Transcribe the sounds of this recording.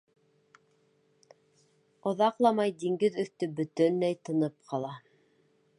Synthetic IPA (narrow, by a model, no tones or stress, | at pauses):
ŏðɑqlˠɑmɑjd̪iŋɡɘðɵ̆θt̪ɵbɵ̆t̪ɵnːæjt̪ɤ̆nɤp̚qʰɑlˠɑ